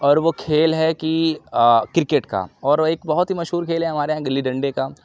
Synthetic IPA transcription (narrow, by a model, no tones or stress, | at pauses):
ɔːɾʋokʰeːlɦɛki | kɪɾɪkeʈka̰ːɔːɾeːkbɐɦʊt̪ɦimɐʃɦuːɾkʰeːlɦɛɦɐmaːɾeɦãɡɐlːiɖɐ̃ɳɖeka